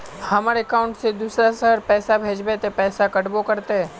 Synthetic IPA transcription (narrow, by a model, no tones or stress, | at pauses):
hɐmaːɾekaːʊ̃ɳʈsed̪uːsɾasəɦəɾpɛːsabʱeːd͡ʒbet̪epɛːsakəʈbokəɾt̪eɦɛː